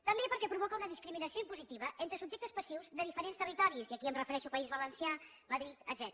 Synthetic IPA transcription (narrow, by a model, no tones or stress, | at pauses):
t̪əmbepəɾkɛpɾuβ̞ɔkəunəðiskɾiminəsioimpuzit̪iβəʔent̪ɾəsubʒɛkt̪əspəsiwzðəðifəɾenst̪ərit̪ɔɾisiəkiəmrəfəɾɛʃupəizβələnsia | məðɾit̪ə̰d̪zɛt̪